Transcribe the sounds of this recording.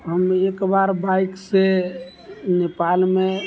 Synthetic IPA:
ɦəmekbaɾbaikse | nepalme

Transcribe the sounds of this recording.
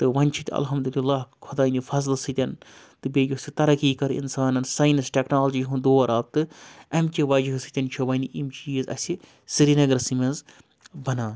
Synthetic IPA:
t̪ɨʋɐnʲt͡ʃʰit̪ʲɐ̰lɦɐmd̪ulilːaːkʰɐd̪aːnifɐzlsɨt̪ʲɐn | t̪ɨbeːjʲusit̪ɐɾɐkiːkɐɾḭnsaːnɐnsajnɐsʈʲeknaːlɐd͡ʒiɦũd̪oːɐɾʔaːb̚t̪ɨɐmt͡ʃʲiʋɐd͡ʒiɦɨsɨt̪ʲɐnt͡ʃʰiʋɐniʔimt͡ʃiːzɐ̰sʲi | sɨɾiːnɐɡɐɾsɨmʲɐnz | bɐnaːn

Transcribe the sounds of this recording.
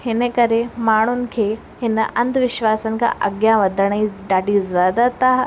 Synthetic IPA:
hɪnəkɐɾemaːɳ̤̃ʊnɪ̆kʰeː | ɦɪnəʔɐ̰̃nd̪ʋɪʃʋaːsənɪ̆kʰã̰ʔɐɡjãʋɐd̪ʱəɽ̃iɖaːɖʱizaːd̪at̪a

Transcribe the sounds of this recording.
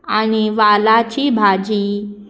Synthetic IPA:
aniʋalat͡ɕibʱad͡ʑi

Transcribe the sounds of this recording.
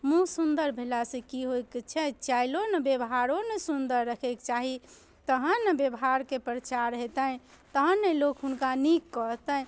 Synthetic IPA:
mũsund̪əɾbʱelasẽkiɦojkt͡ʃʰɛt͡ʃailonəbjebɦaɾonəsund̪əɾːəkʰɛkt͡ʃaɦi | t̪əɦənːəbjebɦaɾkepɾət͡ʃaɾɦet̪ə̃ | t̪əɦənːelokɦunkanikːət̪ə̃

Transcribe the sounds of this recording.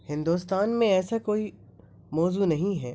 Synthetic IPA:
hɪ̃nd̪uːst̪aːnmẽɛːsakoːi | mɔːzunɐɦĩɦɛː

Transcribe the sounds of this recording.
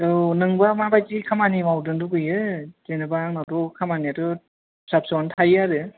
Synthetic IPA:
ɯnɯŋbamabajzikʰamanimawdɯŋduɡɯjɯzenɯbaŋnawdɔkʰamaniatɯ | sap̚sɔntʰajaɾɯ

